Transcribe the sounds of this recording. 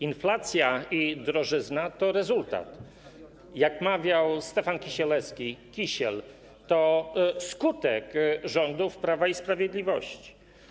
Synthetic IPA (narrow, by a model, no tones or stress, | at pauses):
inflat̪sʲjaid̪ɾɔʐɘznat̪ɔɾɛzult̪a̰t̪ | jakmavʲjawst̪ɛfankʲiɕɛlɛskʲikʲiɕɛl | t̪ɔskut̪ɛkʐɔnd̪ufpɾavaispɾavʲjed̪lʲivɔɕt͡ɕi̥